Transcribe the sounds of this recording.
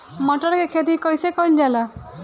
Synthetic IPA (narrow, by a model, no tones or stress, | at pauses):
mɔʈɔɾkekʰet̪ikɔjsekɔjld͡ʒala